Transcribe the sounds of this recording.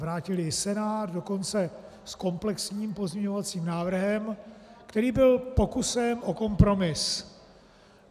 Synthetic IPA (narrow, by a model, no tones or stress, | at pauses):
vɾaːcɪlɪsɛnaːt̪do̞ko̞nt͡sɛ | sko̞mplɛksɲiːmpo̞zɲɛɲo̞vat͡siːmnaːvr̩ɦɛmkt̪ɛɾiːbɪlpo̞kusɛmʔo̞ko̞mpɾo̞mɪs